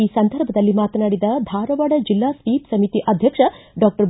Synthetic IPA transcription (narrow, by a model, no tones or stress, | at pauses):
iːsɐnd̪ʱɐɾbʱɐd̪ɐlːimaːt̪naːɽid̪ɐd̪ʱaːɾɐʋaɽɐd͡ʒilːaːsʋiːpsɐmit̪iʔɐd̪ʱjɐkʂɐɖaːk̚ʈɐɾb